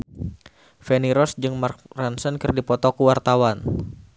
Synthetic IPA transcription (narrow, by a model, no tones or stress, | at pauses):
fɛniɾɔsd͡ʒɨŋmark̚ransənkɨrdipɔt̪ɔkuwart̪awan